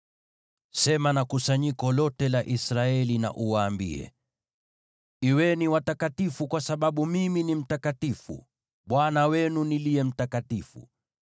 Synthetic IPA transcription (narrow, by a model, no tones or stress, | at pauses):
sɛmanakusaɲikɔlɔtɛlaʔisɾaɛlina̰ʔuwaːmbḭɛ̰ | iwɛniwatakatifukwasaɓaɓumiminim̩takatifṵ | ɓwanawɛnunilijɛm̩takatifṵ